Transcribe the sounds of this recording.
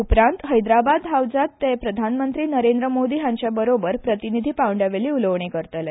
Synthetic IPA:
upɾãnt̪ɦəjd̪ɾabad̪ɦawd͡zat̪ːepɾəd̪ʱanmənt̪ɾiːnəɾend̪ɾəmod̪iːɦjaɲt͡ɕjabəɾobəɾpɾət̪inid̪ʱiːpawəɳɖaʋeliːuləʋɳekəɾt̪əle

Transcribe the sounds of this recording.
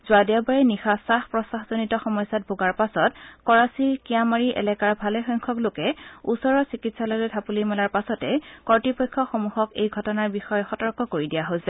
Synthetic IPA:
zʊadabaɹɛnixasaxpɹɔsaxzonitɔxɔmɔjsat̚bʱoɡaɹpasɔtkɔɹasiɹkiamaɹiʔɛ̰lɛkaɹbʱalɛxɔjŋkʰɔklokɛusɔɹɔsikitsalɔjlojtʰapulimɛlaɹpasɔtɛkɔɹtipɔjkʰːɔxomuhɔkejɡʱɔtɔnaɹbixɔjɔxɔtɔɹkɔkoɹidijaɦojsɛ

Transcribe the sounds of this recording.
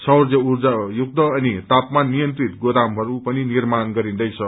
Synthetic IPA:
sʌwrd͡zʌurd͡zajuɡ̚d̪ʌʌnit̪apmanːijʌnt̪rit̪ɡoɾamɦʌɾupʌninirmanɡʌɾĩnd̪ʌjt͡sʰʌ

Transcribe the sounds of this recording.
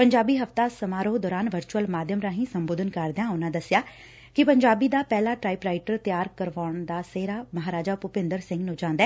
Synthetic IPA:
pəɲd͡ʒaːbiːɦəft̪aːsəmaːɾoːd̪ɔːɾaːnʋəɾt͡ʃuəlmaːd̪jəmɾãːɦĩːsəmboːd̪ʱənkəɾd̪eãːʊnãːd̪əsɪjaː | kɪpəɲd͡ʒaːbiːd̪aːpɛːlaːʈɾaːiːpɾaːiʈəɾt̪ɪjaːɾkəɾʋaːɳd̪aːseːɾaːməɦaːɾaːd͡ʒaːpʊpɪ̃nd̪əɾsɪ̃ŋɡnũːd͡ʒãːnd̪ɛː

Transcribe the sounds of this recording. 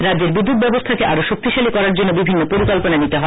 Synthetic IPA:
ɾad̪d͡ʑeɾbid̪ːut̪̚bɛbost̪ʰakeʔaɾoʃok̚t̪iʃalikɔɾaɾd͡ʑonːobibʱinːopoɾikɔlponanit̪eɦɔe

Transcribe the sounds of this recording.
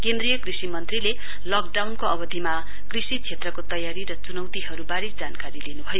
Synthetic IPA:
kend̪rijʌkrisimʌnt̪rile | lʌk̚ɖawnkoʌbʌd̪ʱima | krisit͡sʰet̪rʌkot̪ʌjaɾiɾʌt͡sunʌwt̪iɦʌɾubaɾisd͡zankaɾilenubʱʌjo

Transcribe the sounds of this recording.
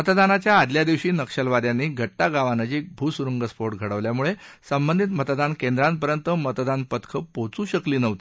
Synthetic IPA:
mət̪d̪anat͡ɕjaːd̪ljad̪iʋɕiːnəkɕəlʋad̪janːiːɡʱəʈːaɡaʋanəd͡ʑiːk̚bʱusuɾəŋɡəspoɾʈ̚ɡʱəɽəʋljamuɭesəmbənd̪ʱit̪mət̪d̪ankend̪ɾanpəɾjənt̪əmət̪d̪anpət̪kʰəpot͡suːɕəkliːnəʋt̪i

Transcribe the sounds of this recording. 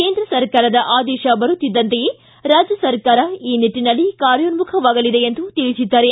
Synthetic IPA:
ke̞ːnd̪ɾɐsɐɾkaːɾɐd̪ɐʔaːd̪ɛːʃɐbɐɾut̪ːid̪ːɐnt̪ejeː | ɾaːd͡ʒjɐsɐɾkaːɾɐiːniʈːinɐlːikaːɾjonmukʰɐʋaːɡɐlid̪e̞end̪ut̪iɭisid̪ːaːɾe

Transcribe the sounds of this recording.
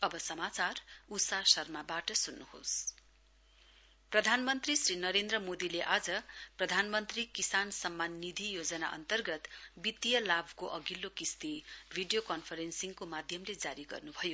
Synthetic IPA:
ʌbʌsʌmat͡sarusasʌrmabaʈʌsunːuho̰s | prʌd̪ʱanmʌnt̪risrinʌɾend̪rʌmod̪ileʔad͡zʌprʌd̪ʱanmʌnt̪rikisansʌmːanːid̪ʱijod͡zʌna̰ʔʌ̰nt̪ʌrɡʌt̪bit̪ijʌlabʱkoʔʌɡilːokist̪ibʱiɖijokʌnpʰʌɾensiŋkomad̪ʱjʌmled͡zaɾiɡʌ̰rnubʱʌjo

